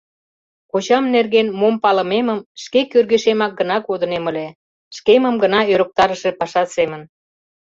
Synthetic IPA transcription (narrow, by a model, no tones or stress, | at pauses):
kot͡ɕɑmnerɣenmompɑlə̆meməmʃkekørɣeʃemɑk̚ɡənɑkod̪əneməle | ʃkeməmɡənɑøɾək̚t̪ɑɾəʃe̽pɑʃɑt̪semən